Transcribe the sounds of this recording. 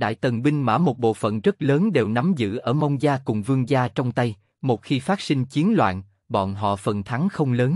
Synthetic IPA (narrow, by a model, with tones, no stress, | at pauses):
ɗa̰ː˧˨jt̪ə˨˩nɓï˧ŋ̟ma̰ː˧˥˩mo˨˩t̚ɓo̰˧˨fə̰˧˨nzə˦˥t̚ləː˨˦nɗe˨˩wna˨˦mzɨ̰˧˥ʔəː˧˩mə˧wŋ͡mzaː˧kʊ˨˩ŋ͡mvɨ˧əŋzaː˧t͡ɕɔ˧wŋ͡mt̪a˧j | mo˨˩t̚xi˧faː˦˥t̚sï˧ŋ̟t͡ɕi˨˦ənlwa̰ː˧˨n | ɓɔ̰˧˨nɦɔ̰˧˨fə˨˩nt̪ʰa˨˦ŋxə˧wŋ͡mləː˨˦n